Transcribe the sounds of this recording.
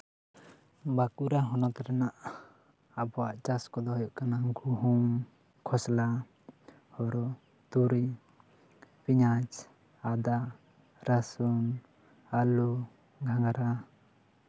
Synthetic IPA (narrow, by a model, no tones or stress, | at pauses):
bakuɾaɦɔnɔt̪ɛɾanaʔ | abɔwaʔt͡ʃaskɔd̪ɔɦɔjɔʔkanaɡuɦum | kʰɔsla | hɔɾɔ | t̪uɾi | piɲat͡ʃ | ad̪a | ɾasun | alu | ɡʱaŋɡaɾa